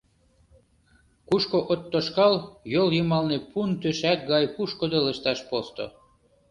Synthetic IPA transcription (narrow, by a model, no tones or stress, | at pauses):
kuʃkoʔot̪ːoʃkɑljoljɤmɑlnepunt̪øʃæk̚ɡɑjpuʃkod̪oləʃt̪ɑʃpost̪o̰